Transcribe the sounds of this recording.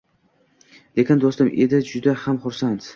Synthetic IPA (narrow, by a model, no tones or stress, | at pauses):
lekʲɪnd̪ost̪ɪmʔe̞d̪ɪd͡ʒʊd̪ahamχʊɾsant̪